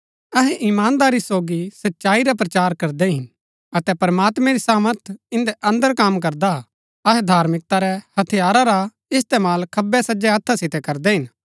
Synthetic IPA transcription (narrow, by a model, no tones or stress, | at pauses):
ɐɦɛ̃ʔɪmaːnd̪aːɾisoːɡisɐtːʃaːiɾap̬ɾɐt͡ʃaːɾkɐɾd̪ɛɦɪn | ɐt̪ɛpɐɾmaːt̪mɛ̃ɾisaːməɾt̪ʰɪ̃nd̪ɛʔɐ̃nd̪əɾkamk̬ɐɾd̪a | ɐɦɛd̪ʱaːɾmɪk̚t̪aɾɛhɐt̪ʰijaːɾaɾa | ɪst̪eːmaːlkʰɐbɛsɐd͡ʒɛɐt̪ʰːasɪt̪ɛkɐɾd̪ɛɦɪn